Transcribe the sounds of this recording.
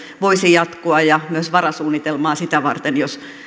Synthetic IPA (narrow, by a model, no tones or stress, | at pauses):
ʋoisijɑt̪koɑjɑmyøsʋɑrɑsuːnːit̪elmɑːsit̪æʋɑ̰rt̪enjos